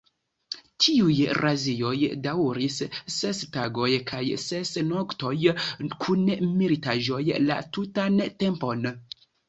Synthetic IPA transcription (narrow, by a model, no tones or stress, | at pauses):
tiujɾʔazio̞jdawɾissestaɡo̞jkʰajsesnokto̞jkʰunmilitaʒo̞jla̰tutante̞mpo̞n